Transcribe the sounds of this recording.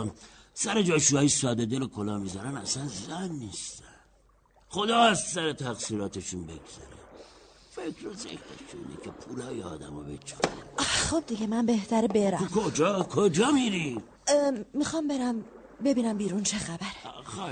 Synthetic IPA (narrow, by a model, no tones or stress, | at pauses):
sæɾed͡ʒɒːʃuɒːisɒːd̪ed̪elokʰolɒːmizæɾænæ̰sænzænːist̪æn | xo̞d̪ɒːst̪sæɾet̪ʰæɣsiːɾɒːt̪ʰeʃunbḛɡz̥æ̰ɾḛfekʰɾezekʰɾḛʃuḭnḛcʰepʰulɒːjeɒ̰ːd̪æ̰mɒːbḛt͡ʃʰɒ̥χob̚d̪iɟemænbe̞ht̪ʰæɾebeɾæmkʰod͡ʒɒkʰod͡ʒɒːmiɾiː | ixɒmbe̞ɾæm | be̞biːnæmbiːɾunt͡ʃʰexæbæɾex